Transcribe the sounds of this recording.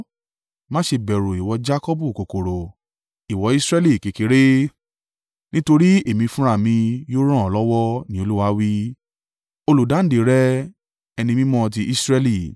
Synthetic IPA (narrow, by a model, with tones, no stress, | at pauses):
mã˦ʃe˧bɛ˨ɾu˨i˨wɔ˧d͡ʒa˦kɔ˦bu˦˨ko˨ko˨ɾo˨ | i˨wɔ˧˦i˦sɾɛ˦li˦˨ki˨ki˨˧˦ɾe˦ | nĩ˦to˧ɾi˦e˦˨mĩ˧fũ˦ɾ̃a˦˨mĩ˧jo˦ɾ̃ɔ̃˦˨ɔ˨˧lɔ˦wɔ˦nĩ˦o˧lu˦wa˧˦wi˦ | o˧lu˨dã˨˦de˨ɾɛ˦ | ɛ˧nĩ˧mĩ˦mɔ̃˦˧t̬i˧ʔi˦sɾɛ˧li˦˨